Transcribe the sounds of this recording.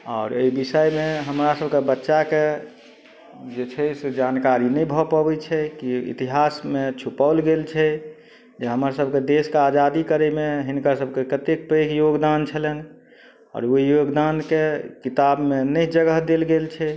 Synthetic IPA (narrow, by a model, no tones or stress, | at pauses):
ɔːɾḛibisəjmeɦəmɾasəbʱkebətːʃake | d͡ʒet͡ʃʰɛsed͡ʒankaɾinɛibʱɔpabɛt͡ʃʰɛkiḭt̪iɦasmet͡ʃʰupalɡelt͡ʃʰɛ | d͡ʒeɦəmasəbʱked̪eskead͡ʒad̪ikəɾemeɦinkasəbʱkekət̪ekpɾekjoɡd̪ant͡ʃʰəlen | ɔ̰ːɾoijoɡd̪ankekit̪abmenəid͡ʒəɡəɦd̪elɡelt͡ʃʰɛ